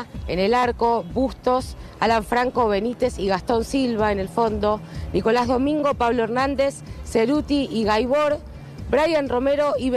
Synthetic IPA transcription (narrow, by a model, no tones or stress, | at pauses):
ḛnelaɾko̞βust̪o̞s | alaɱfɾaŋko̞βe̞nit̪e̞siɣast̪o̞nsilβaene̞lfo̞nd̪o̞niko̞lazðo̞mĩŋɡo̞paβloeɾnãnd̪esːeɾut̪iiɣajβoɾ | bɾajanro̞meɾo̞iβ